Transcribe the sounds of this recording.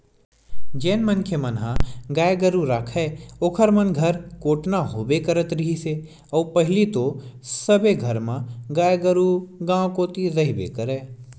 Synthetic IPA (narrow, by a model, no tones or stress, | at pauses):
d͡ʒɛːnmənkʰjəmənɦã̰ɡaːjɡəɾuɾaːkʰɛeoːkʰəɾmənɡʱɐɾkoːʈnaɦoːbekəɾət̪ɾɪɦise | ɔːpɐɦɪlit̪osɐbeɡʱəɾmãɡaːjɡəɾuɡãːkoːt̪iɾɐɦibḛkəɾeː